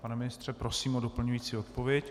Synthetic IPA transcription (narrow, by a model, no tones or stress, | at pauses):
panɛmɪnɪst̪r̝̥ɛpɾo̞siːmodo̞pl̩ɲujiːt͡siːo̞t̪̚po̞vjɛc